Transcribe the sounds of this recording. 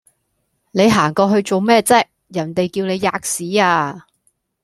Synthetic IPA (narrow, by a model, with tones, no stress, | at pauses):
ne˨˧jɦaː˨˩ŋkɔː˧ɦɵ˧ɥt͡so˨wmɛː˥t͡sɛ˥k̚ | jɐ˨˩nt̪e˨jkiː˧wne˨˧jːaː˧k̚siː˨˥aː˧